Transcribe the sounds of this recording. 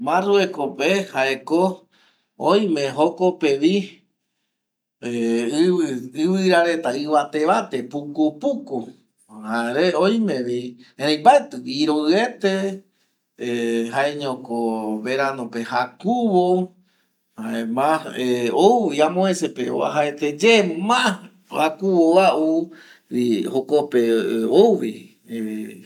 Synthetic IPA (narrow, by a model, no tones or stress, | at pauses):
mãruekopehaeko | oj̃mẽɦokopeʋi | eɨɨβɨɾaɾe̞t̪aɨʋat̪e̞βat̪epukupuku | haeɾeoj̃mẽʋieɾẽj̃mbaet̪ɨiɾoe̞t̪e | ɦaeɲõkoβeɾanõpehakuβo | aemãeoʋiamõẽsepeo̰a̰ɦaet̪ed͡ʒemmã | akuwoaʔu | ihokopeoʋi